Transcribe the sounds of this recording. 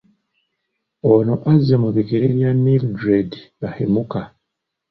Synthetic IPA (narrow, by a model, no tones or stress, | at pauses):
onoʔazːemuβikiɾeβjanːildɾedβahemuka